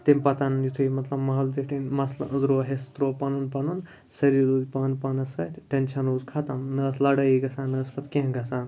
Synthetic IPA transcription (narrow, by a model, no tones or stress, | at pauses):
t̪emʲpɐt̪anjut̪ʰujmɐt̪lɐbmaɦɐld̪eʈʰinmɐsl̰ʔəzɾoɦest̪ɾoːpɐnunpɐnun | sɐɾiluːd̪ʲpaːnpanɐsɐt̪ʲʈenʃɐnoːzkʰat̪ɐmnɐslɐɽɐjiɡɐsaːnɐːspɐt̪kʲẽɡɐsaːn